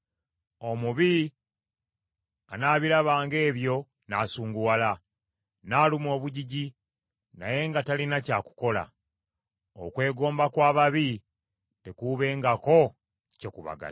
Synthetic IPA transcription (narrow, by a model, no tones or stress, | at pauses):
o̞muβi | anaːβilaβaːŋɡe̞ːβjo̞ | na̰suːŋɡuwala | naːlumo̞ːβuɟiɟi | na̰je̞ŋɡatalinacaːku̥ko̞la̰ | o̰kwe̞ːɡo̞ːmbakwaːβaβi | tekuβe̞ːŋɡako̞ | cokuβa̰ɡa̰